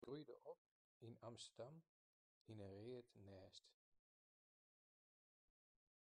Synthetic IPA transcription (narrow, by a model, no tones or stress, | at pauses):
rujdə̰ɔp̚ | inɑmstədɑm | inəreːətnɛːst